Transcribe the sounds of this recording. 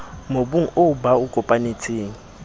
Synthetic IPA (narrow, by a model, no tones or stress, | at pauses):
mobuŋ̩obaukʼɔpʼanet͡sʰʼeːŋ̩